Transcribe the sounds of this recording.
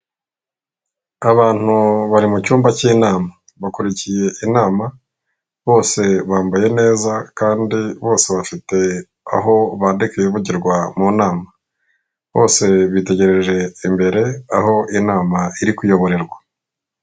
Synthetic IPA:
aβaːn̥uβaɾimucuːmbacinaːma | βakuɾicije̞ʔinaːma | βo̞ːse̞βaːmbaje̞ne̞ːzakaːndiβo̞ːse̞βafite̞ | a̰ɦo̞βadekejiβuɟiɾɡwamuːnaːma | βo̞̰ːse̞βite̞ɟe̞ɾeɾeʒe̞imbe̞ɾe̞aɦo̞ʔinaːmaiɾikujo̞βo̞ɾe̞ɾɡwa

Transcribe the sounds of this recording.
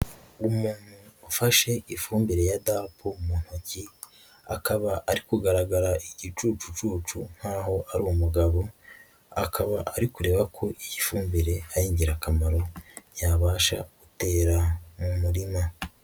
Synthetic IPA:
umuːn̥uafaʃe̞ifuːmbiɾe̞jadaːpʰomun̥hoci | a̰kaβaʔːɾikuɡaɾaɡaɾaiɟit͡ʃut͡ʃut͡ʃuːt͡ʃun̥haːɦo̞ʔaɾuwmuɡaβo̞ | akʰaβaʔaɾikuɾe̞ːβakʰo̞ʔiɟifuːmbiɾe̞ajiːɲɟiɾakamaɾo̞jaβaːʃa̰ɡ̥ute̞ːɾamumuɾima

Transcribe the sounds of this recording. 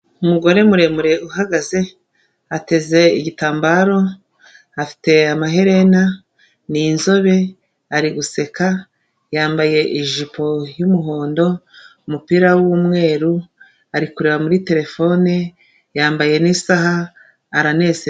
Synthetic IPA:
umuɡo̞ɾe̞muɾe̞muɾe̞ʔuhaɡaze̞ | ate̞ze̞iɟitaːmbaɾo̞ | afi̥te̞amaɦe̞ɾe̞na | ninzo̞βe̞ | aɾiɡuse̞ka | jaːmbaje̞ʔiʒipʰo̞jumuɦo̞ːndo̞umupiɾawuːmŋe̞ːɾu | aɾikuɾeβamuɾite̞ɾe̞fo̞ne | jaːmbaje̞nisaɦaː | ɾane̞se

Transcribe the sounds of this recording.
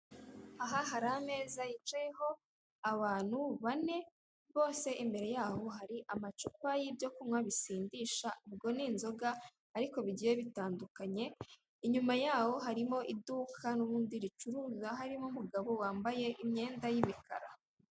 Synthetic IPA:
aɦaɦaɾame̞ːzajit͡ʃajeho̞ | aβaːn̥huβane̞ | βo̞ːse̞ʔimbe̞ɾe̞jaho̞ɦaɾiʔamat͡ʃupajibjo̞kumŋaβisiːndiʃaʔub̚ɡo̞niːnzo̞ɡa | aɾiko̞βiɟije̞βitaːndukaɲe̞ | iɲumajaːho̞ɦaɾimo̞ʔiduːkʰanuβuːndiɾit͡ʃuɾuːzaɦaɾimomuɡaβo̞waːmbaje̞ʔimɲe̞ːndajimika̰ɾa

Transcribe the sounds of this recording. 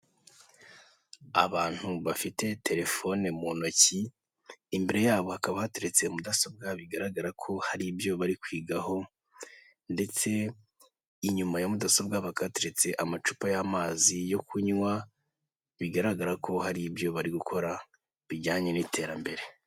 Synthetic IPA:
a̰βaːn̥huβafite̞tʰe̞ɾe̞fo̞ne̞monociː | mbeɾe̞jaːβo̞hakaβahateɾet͡se̞mudaso̞b̚ɡaβiɡaɾaɡaɾakʰo̞haɾibjo̞βaɾikwiːɡaho̞ | nde̞t͡se̞ | iɲumajamudasob̚ɡaβakateɾet͡se̞ʔamat͡ʃupajamaːzijo̞kʰuɲwa | βiɡaɾaɡaɾakʰo̞haɾibjo̞βaɾiɡukʰo̞ɾa | βiɟaːɲe̞nitʰe̞ːɾambe̞ɾe̞

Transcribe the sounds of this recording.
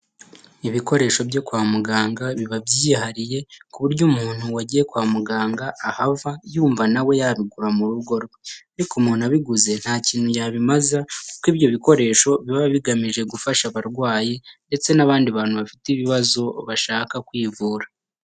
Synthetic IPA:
iβiko̞ɾe̞ːʃo̞bjo̞kwaːmuɡaːŋɡaβiβabjiːɦaɾije̞kuβuɾɟuːmuːn̥huwaɟiːje̞kwaːmuɡaːŋɡaːhavajuːɱvanawe̞jaβiɡuɾamuɾuɡo̞ɾweaɾikumuːnuaβiɡuze̞n̥haːciːn̥hujaβimazakukiːbjo̞βiko̞ɾe̞ːʃo̞βiβaβaβiɡamiʒe̞ɡufaʃaβaɾɡwaːjende̞t͡se̞naβaːndiβaːnhuβafitiβiβazo̞βaʃaːkakwiːvuːɾa

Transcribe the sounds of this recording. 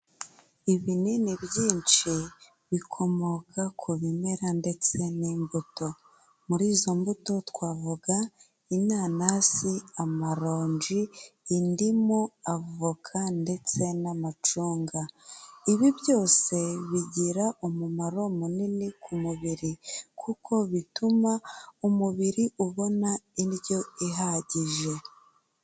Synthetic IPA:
iβininiβjiːnt͡ʃi | βikʰo̞mo̞kʰakʰuβime̞ɾande̞t͡se̞niːmbuto̞ | muɾiːzo̞mbuto̞twaːvuɡa | inaːnasiamaɾo̞ːɲd͡ʒiːndimoavukʰande̞t͡se̞namat͡ʃuːŋɡaiβiβjo̞ːse̞βiɟiɾaumumaɾo̞muninikʰumuβiɾikʰukʰo̞βitumaumuβiɾiʔuβo̞naiɾjo̞iɦaɟiʒe̞

